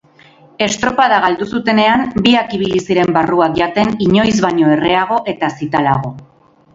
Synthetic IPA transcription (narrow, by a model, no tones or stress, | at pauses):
e̞st̪ɾo̞pað̞aɣ̞ald̪usut̪e̞ne̞ambiakiβ̞ilisiɾe̞mbaruakʝat̪e̞niɲo̞jzβaɲo̞e̞re̞aɣ̞o̞ʔe̞t̪asit̪ala̰ɣ̞o̞